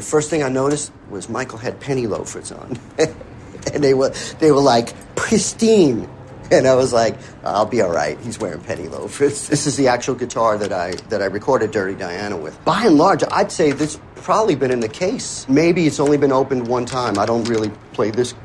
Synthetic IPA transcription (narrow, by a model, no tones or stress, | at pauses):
ðɨfɜ˞st̪̚θɪ̃ŋaɪnoʊɾɨst̚ | wʌzmaɪkl̩ˠɨd̚pʰɛɾ̃ilo̰ʊfɹɪtsn̩ | ɨ̃nðeɪwə˞ðeɪwə˞laɪk | pʰɹ̥ɪstĩn | ɨ̃naɪwʌzlaɪk | a̰ɪlˠbiɔlˠɹa̰ɪt̚hizwɛ̰ɹɪ̰̃ŋpʰɛ̰nḭlo̰ʊfɹʊtsðɪsɨzðiæk̚t͡ʃul̩ˠɡɨtʰɑɹðɨɾaɪðɨɾaɪɹɨkʰɔɹɾɨdɜ˞ɾidaɪæñə̰wɪ̰ð̥b̥aɪɨ̃nlɑɹd͡ʒa̰ɪd̥seɪðɪspʰɹ̥ɑbəblibɨ̃ñɨ̃nðɨkʰeɪsmeɪbiɨtsõʊ̃nlibɨ̃noʊpɨ̃nd̚wʌ̃ntʰãɪ̃maɪɾõʊ̃nt̚ɹɪlˠipʰl̥eɪðɪs